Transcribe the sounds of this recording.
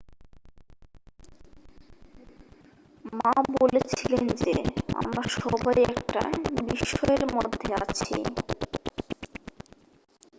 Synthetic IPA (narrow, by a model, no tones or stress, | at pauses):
mabolet͡ɕʰilend͡ʑea̰mɾaʃɔbajɛkʈa̰biʃɔeɾmod̪ʱːeat͡ɕʰḭ